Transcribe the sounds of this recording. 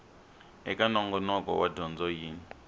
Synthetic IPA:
ɛkʼanɔŋɡɔnɔkʼɔ̰wadɔnd͡zɔjiːni

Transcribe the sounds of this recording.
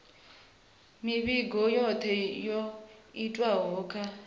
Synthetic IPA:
miβiɡʱɔjɔt̪ʰɛjoitʼwaɦɔːkʰʼa

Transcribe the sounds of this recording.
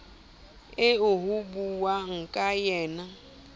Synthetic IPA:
eoɦubuwaŋ̩kʼajɛːna

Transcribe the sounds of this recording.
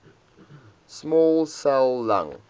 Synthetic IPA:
smɔːlˠsɛlˠːã̰ŋ

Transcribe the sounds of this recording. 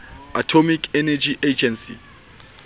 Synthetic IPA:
atʰomikʰɛnɛd͡ʒiʔed͡ʒɛnsḭ

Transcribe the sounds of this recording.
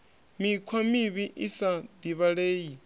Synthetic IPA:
mikʰwamiβiʔisad̪iβaɺeːji

